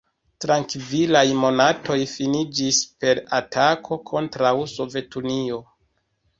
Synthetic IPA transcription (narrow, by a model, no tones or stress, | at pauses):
tɾaŋkvilajmo̞natʰo̞jfinid͡ʒispe̞ɾatakʰo̞kʰo̞ntɾawso̞ve̞tunio̞